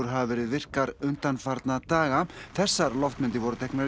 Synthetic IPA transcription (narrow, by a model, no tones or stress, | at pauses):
ɾ̥ɦavavɛːɾɪðvɪr̥kaɾʏnt̪anfaɾt̪nat̪aːɣaθɛsːaɾlɔft̪mɪnt̪ɪvɔɾʏt̪ʰɛjknaɾ